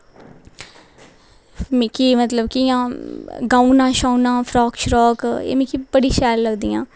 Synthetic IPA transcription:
mɪkiːmət̪ləbkijãːɡãːunãːʃaːunãːpʰɾɔːkʃɾɔːkḛːmɪkibəɽiːʃɛːlləɡd̪iːã̰ː

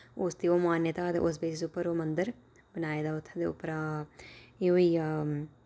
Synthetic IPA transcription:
ʊsd̪iːoːmaːnjət̪aːd̪ḛʔʊs̬beːd͡ʒd̪eʊpːəɾoːmənd̪əɾ | bənaːeːd̪aːʊt̪ʰːd̪eːʊ̰pːəɾa | eoːiː

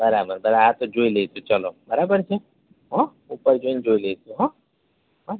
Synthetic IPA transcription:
bɐɾaːbəɾbɐɾaat̪od͡ʒoːileːt̪ʰut͡ʃɐlobɐɾaːbəɾt͡ʃʰe | ɦɔ̃ | upəɾd͡ʒoind͡ʒoːileːt̪ʰuɦɔ̃ | ɦ

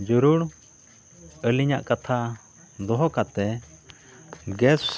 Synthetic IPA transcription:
d͡ʒuɾuɽ | əliɲaʔkat̪ʰa | d̪ɔɦɔkat̪ɛ | ɡɛs

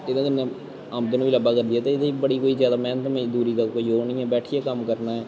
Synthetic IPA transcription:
ɪd̪ãːɡənːẽː | aːmt̪ənũːʋiːləbaːkəɾd̪iːɛːt̪eːɪd̪eːibəɽiːkoːiːzjaːd̪aːmɛ̃ːnt̪əmẽːd̪uːɾiːd̪aːkoːiːoːɳĩːɛ̃ːbɛːʈʰiːɛːkəmkəɾnaːɛː

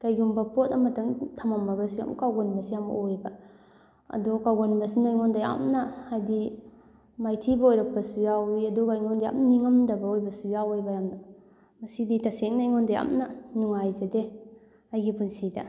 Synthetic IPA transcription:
kajɡumbɐpotɐmɐtʰɐŋtʰɐmɐmːɐɡɐsuja̰mkawɡonbɐsijamɐ̰ojbɐ | ɐ̰dɔkawɡonbɐsinajŋɔndaja̰mnɐajdi | majtʰibɐojɾɐk̚pɐsujawiɐdɔɡajŋɔndaja̰mniŋɐmdɐbɐojbɐsujawojbɐjamnɐ | mɐsiditɐseŋnajŋɔndaja̰mnɐnuŋajzɐde | ɐjɡipunsidɐ

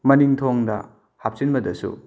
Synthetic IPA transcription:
mɐniŋtʰoŋdɐ̰ | hap̚sinbɐdɐsṵ

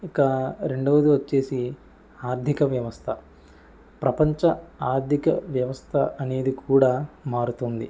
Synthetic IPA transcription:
ikɐɾe̞ɳɖoʋɐd̪uʋɐt͡ʃːe̞ːsi | aːɾd̪ʱikɐʋjɐʋɐst̪ʰɐ | pɾɐpɐɲt͡ʃɐaːɾd̪ʱikɐ̰ʋjɐʋɐst̪ʰɐɐne̞ːd̪ikʰuːɽaːmaːɾut̪und̪ḭ

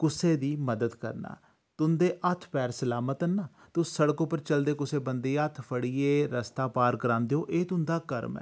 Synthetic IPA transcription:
kʊseːd̪iːməd̪əd̪kə̰ɾna̰ː | t̪ʊnd̪eːʔət̪ʰpɛːɾsəlaːmət̪ənːaː | t̪ʊsəɽəkõːpəɾt͡ʃəld̪eːkʊseːbənd̪eːət̪ʰpʰəɽiːeːɾəst̪aːpaːɾkəɾãːnd̪eõːʔeːt̪ʊnd̪aːkəɾmɛ̰ː

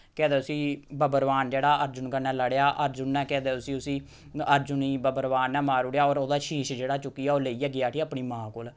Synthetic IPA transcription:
kɛ̃ːd̪eːʊsĩːbəbəɾʋaːnd͡ʒeːɽaːəɾd͡ʒʊnkəɾnɛ̃ːləɽejaːʔəɾd͡ʒʊnːɛ̃ːkɛ̃ːd̪eːʊsĩːʊsĩː | əɾd͡ʒʊniːbəbəɾʋaːnːɛ̃ːmaːɾʊɽejaːoːɾoːd̪aːʃiːʃd͡ʒeːɽaːt͡ʃʊkːiːaːoːleiːaːɡɪjaːʈʰiːəpɳiːmãːkoːl

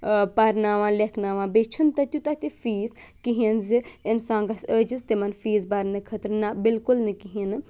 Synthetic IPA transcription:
pɐɾnaʋãːlekʰnaʋãːbet͡ʃʰunt̪ɐt̪ʲut̪ɐt̪ifiːskiɦiɐnziinsãːŋɡɐsəːd͡ʒist̪emɐnfiːzbɐɾnɨkʰət̪ɾnabɪlkulnɨkiɦiɐnɨ

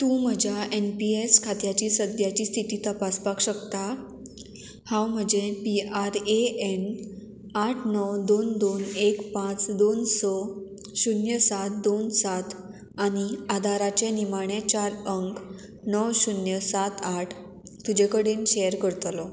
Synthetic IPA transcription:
t̪ũm̤əd͡ʑjaʔenpieskʰat̪jat͡ɕiːsəd̪jat͡ɕiːst̪ʰit̪iːt̪əpaspakɕəkt̪a | hãwm̤əd͡ʑepiaɾeen | aʈʰnɔwd̪ond̪onekpãt͡sd̪onsɔ | ɕunjəsat̪̚d̪onsat̪ | aɽ̃iad̪ʱaɾat͡ɕenimaɽ̃et͡ɕaɾəŋk | nɔwɕunjəsat̪aʈʰ | t̪ud͡ʑekəɽenɕejəɾkəɽt̪lɔ

